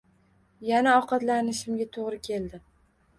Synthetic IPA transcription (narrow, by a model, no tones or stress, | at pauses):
janaɒqɑt̪lanɪʃɪmɡʲat̪ʰoʁɾɪkʲʰe̞ld̪ɪ